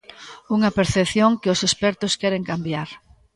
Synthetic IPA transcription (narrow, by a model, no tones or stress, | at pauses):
uŋɐpeɾθepθjoŋkɪʊsespɛɾt̪ʊskɛɾeŋkambjaɾ